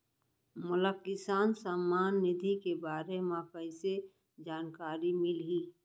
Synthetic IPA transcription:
mʊləkːɪsaːnsamːaːnːɪd̪ʱikebaːɾemãkəise | d͡ʒaːnkaːɾimɪlɦiː

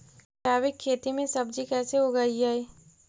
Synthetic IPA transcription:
ʃaːʋɪkʰːeːt̪imẽsɐbd͡ʒikɛːseɦoɡaid͡ʒaːeː

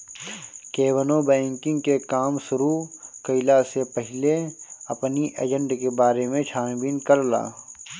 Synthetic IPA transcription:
keːwənobɛ̃ːŋkɪ̃ŋɡkekaːmsʊɾukəɪlasepəɦɪleɐpniʔḛd͡ʒə̃ɳɖkebaːɾemẽt͡ʃʰaːnbiːnkəɾla̰ː

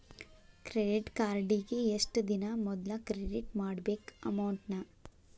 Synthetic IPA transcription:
kɾeɖiʈkaːɾɖiɡeesʈd̪inɐmɔd̪lɐkɾeɖiʈmaːɽbeːkɐ̰mɐwɳʈnɐ

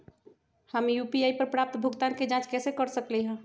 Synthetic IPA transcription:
həmjupiaipəɾpɾap̚t̪bʱuɡt̪anked͡ʒãt͡ʃkɛːsekəɾsəklɛɦə̃

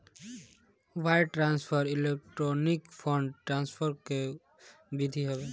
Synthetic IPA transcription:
ʋaɪʈɾanspʰəɾilek̚ʈɾonikpʰɔ̃ɳɖʈɾãnspʰəɾke | bid̪ʱiɦɛbe

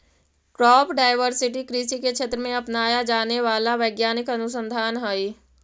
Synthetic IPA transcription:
kɾɔːpɖaːɪʋəɾsɪʈikɾiːʃikekt͡ʃʰeːt̪ɾəmẽɐpnaːjad͡ʒaːneʋaːlaʋəɪɡjaːnɪkɐnʊs̬ə̃nd̪ʱaːnɦəi

